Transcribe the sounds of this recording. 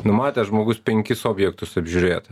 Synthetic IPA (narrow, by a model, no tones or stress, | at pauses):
nʊmɑːt̪ʲɛːʒmoːɡʊspʲɛŋʲkʲɪsoːbʲjɛkt̪ʊsɐbʲʒʲuːɾʲeːt̪